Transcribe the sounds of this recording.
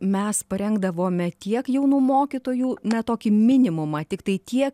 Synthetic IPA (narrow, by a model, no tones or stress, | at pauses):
mʲɛspɐɾʲɛŋɡd̪ɐʋoːmʲɛt̪ʲiɛkjɛʊnuːmoːkʲit̪oːjuːnʲɛt̪oːkʲiːmʲɪnʲɪmʊmɐt̪ʲɪkt̪ɐɪt̪ʲiɛk